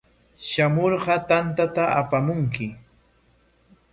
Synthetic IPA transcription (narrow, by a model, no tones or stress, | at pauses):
ʃamoɾɢɑt̪ant̪at̪aʔapamʊŋkɪ